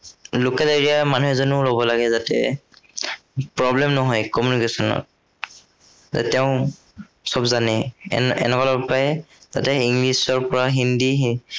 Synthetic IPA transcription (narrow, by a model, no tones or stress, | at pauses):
lukɛleɹiamanuɦɛzonʊlobɔlaɡɛzatɛ̰ | pɹɔblɛmnɔɦɔjkɔmjunikesɔnɔ̰t̚ | zɛ̰tɛʊ̃ | sɔbzanɛ̰ɛ̰nɛkɔlɔpajɛzatɛiŋɡlisɔɹpɔɹaɦindiɦi